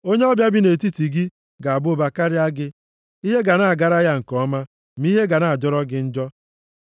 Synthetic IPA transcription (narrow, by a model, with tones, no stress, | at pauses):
o˦ɲe˦ɔ˦bja˦bɪ˦ne˨ti˦ti˨ɡi˦ | ɡa˨a˨bʊ˦ba˨ka˦ɾɪ˦a˦ɡɪ˦ | i˦ɦe˦ɡa˨na˦˨a˨ɡa˦ɾa˦ja˦ŋ̩˨kɔ˨˦ma˦ | m̩˦i˦ɦe˦ɡa˨na˨a˨d͡ʒɔ˦ɾɔ˦ɡɪ˦n̩˦d͡ʒɔ˦